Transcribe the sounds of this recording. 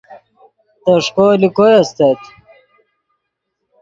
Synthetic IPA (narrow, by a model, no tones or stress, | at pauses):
t̪ɐʂkoːlikojɐst̪ɐt̪